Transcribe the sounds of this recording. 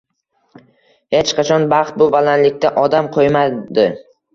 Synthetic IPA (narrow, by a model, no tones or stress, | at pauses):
het͡ʃqʰɑt͡ʃʰɒnbɑχt̪̚bʊbalanlɪkʲt̪aʔɒd̪amqʰojmad̪ɪ